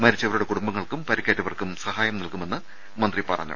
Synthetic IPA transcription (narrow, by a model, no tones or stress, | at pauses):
mɐɾit͡ɕːɐʋɐɾuɽe̞kuɽumbɐŋːɐɭkumpɐɾikʲːɐːtːɐʋɐrkumsɐhaːjɐmnɐlkume̞nːɨ | mɐnd̪ripɐrɐ̰ɲːṵ